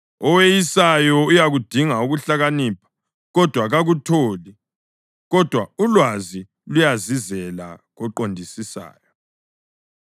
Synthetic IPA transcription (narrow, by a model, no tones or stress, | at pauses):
ɔwejisajɔujaɣud̥ʱiŋauɣuɬaɣaniːpʰḁ | ɣɔd̥ʱwaɣaɣutʰoːli | ɣɔd̥ʱwaulwazi | lujazizɛla̰ɣɔǃondʱisisa̰ːjɔ